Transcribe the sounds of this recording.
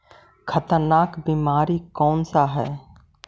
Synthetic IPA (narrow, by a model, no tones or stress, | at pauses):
kʰət̪əɾnaːkbiːmaːɾikɔːnsaɦɛː